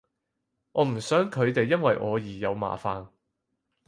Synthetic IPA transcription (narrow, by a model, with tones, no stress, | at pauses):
ʔɔː˨˧m̩˨˩sœː˨˥ŋkʰɵ˨˧ɥt̪e˨jːɐ˥nwɐ˨jʔɔː˨˧jiː˨˩jɐ˨˧wma̰ː˨˩faː˨n